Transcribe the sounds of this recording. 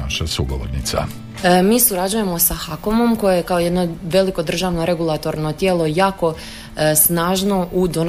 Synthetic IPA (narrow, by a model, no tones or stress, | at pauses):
aʃasuɡoʋo̰ɾnit̪sa̰ | miːsuɾad͡ʑuje̞mo̞saxakomo̞mko̞jejekaoje̞d̪no̞ʋe̞liko̞d̪r̩ʒaːʋno̞ɾe̞ɡulˠat̪o̞ɾno̞t̪jeːlˠo̞jaːko̞ | snaːʒno̞ʔud̪on